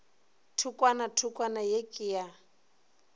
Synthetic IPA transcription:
tʰukʼwanatʰukʼwanajekʼɪja

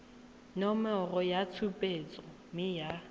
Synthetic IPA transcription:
nɔmɛrɔjat͡sʰupʼet͡sʼɔ | mɪja

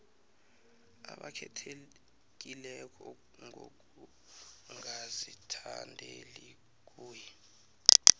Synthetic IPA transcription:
aɓakʰɛtʰe | k̬ilɛk̬ʰʼɔ | ŋʱok̬ʼu | ŋazitʰandʱeli | k̬ʼuːjɛ

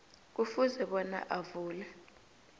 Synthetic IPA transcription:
k̬ufuzɛɓɔna̰ʔavuːlɛ

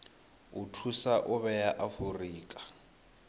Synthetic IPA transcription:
utʰusaʔʊβɛjaʔafuriːkʼḁ

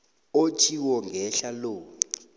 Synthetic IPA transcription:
ot͡ʃʰʼiwɔŋɡʱɛɬaloː

